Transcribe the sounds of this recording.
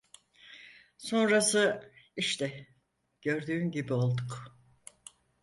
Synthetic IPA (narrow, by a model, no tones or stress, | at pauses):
so̞nɾasɯiʃt̪ʰɛ | ɟ̥ø̞ɾd̪yːmɟibio̞lˠd̪uk